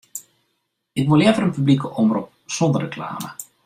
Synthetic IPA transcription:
ɪkʋulɛvəɾənpyblikəʔɔmrup̚sɔnd̪ərekla̰ːmə̰

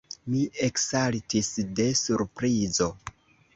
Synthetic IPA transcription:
mieksaltisde̞suɾpɾizo̞

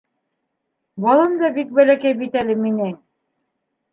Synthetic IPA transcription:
bɑlˠɤmd̪ɑbik̚bælækæjbit̪ælɘminɘŋ

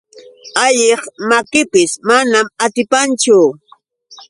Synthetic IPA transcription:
aʎeχmakɪpɪsmanamat̪ɪpant͡ʃʊ

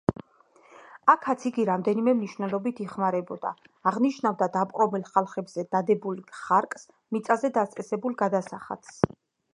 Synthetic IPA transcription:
akʰat̪sʰiɡiɾamd̪ɛnimɛmniʃwnɛlˠɔbit̪ʰiχmaɾɛbɔd̪a̰ː | ʁniʃnavd̪ad̪apʼqʼɔmilˠχalˠχɛbz̥ɛd̪ad̪ɛbulˠχaɾkʼs | mit̪sʼazɛd̪ast̪ʼɛsɛbulˠɡad̪asaχa̰t̪s

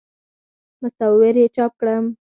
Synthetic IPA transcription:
mʊst̪ɑwweɾjet͡ʃɑp̚kɽəm

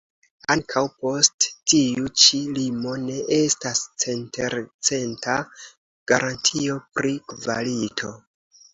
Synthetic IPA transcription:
aŋkʰawpo̞sttiut͡ʃilimo̞ne̞ʔe̞stast͡se̞ntʰe̞ɾt͡se̞ntʰa | ɡ̥aɾʔantʰio̞pɾikva̰litʰo̞

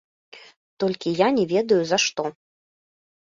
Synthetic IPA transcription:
t̪ɔlʲkʲijanʲɛvʲɛd̪ɐjuzɐʂt̪ɔ

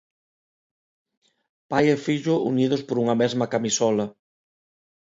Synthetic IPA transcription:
pajefiʎʊʔṵnið̞ʊspoɾuŋɐmezmɐkamisɔlɐ

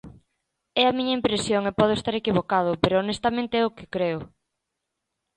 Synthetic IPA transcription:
ɛamiɲɐimpɾesjoŋepɔð̞ʊest̪aɾekiβ̞okað̞ʊpeɾʊonest̪amẽnt̪eɛʊkɪ̥kɾeʊ

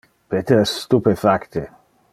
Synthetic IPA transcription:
pet̪eɾɛst̪upefakt̪e

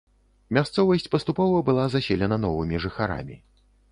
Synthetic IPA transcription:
mʲast̪sɔvɐsʲt͡sʲpɐst̪upɔvɐbɨlˠazasʲelʲɛnɐn̪ɔvɨmʲiʐɨxaɾa̰mʲi

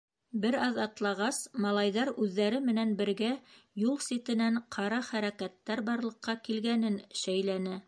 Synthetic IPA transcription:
bɘɾɑðɑt̪lˠɑʁɑsmɑlˠɑjðɑɾʉðːæɾɘmɘ̆nænbɘ̆ɾɡæjulˠsʲit̪ɘ̆næɴqʰɑɾɑχæɾækæt̪ːæɾbɑɾlˠɤ̆qːɑkilɡænɘnʃæjlænɘ

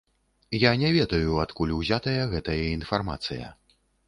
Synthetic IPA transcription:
janʲɛvʲɛd̪ɐjuat̪kulʲwzʲat̪ɐjɐɣɛt̪ɐjɐinfarma̰t̪sɨ̰jɐ̰

